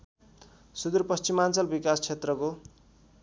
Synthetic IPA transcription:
sud̪urpʌst͡simant͡sʌlbikast͡sʰet̪rʌko

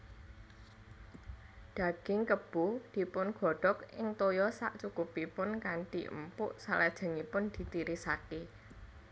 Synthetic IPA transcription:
ɖ̥a̤ɡ̥ɪŋkəb̥ud̪̥i̤pʊnɡ̥ɔ̤ɖ̥ɔkɪ̰ŋt̪ojɔsa̰ʔt͡ʃukupipʊnkaɳʈḭʔə̰mpʊʔsalad̥ʒ̥a̤ŋipʊnd̪̥i̤t̪iɾisake

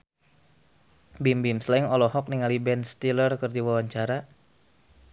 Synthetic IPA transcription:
bimbimslaiŋɔlɔhɔk̚niŋalibɛnst̪ilərkərdiwawaɲt͡ʃaɾa

